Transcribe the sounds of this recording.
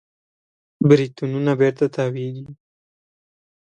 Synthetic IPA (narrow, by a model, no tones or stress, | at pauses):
bɾit̪ununabeɾt̪at̪aːweɡ̪i